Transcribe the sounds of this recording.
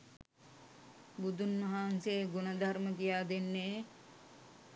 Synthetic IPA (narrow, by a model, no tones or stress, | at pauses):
bud̪unːɐɦaːnseɡunɐd̪ʱarmət̪ijaːd̪enːe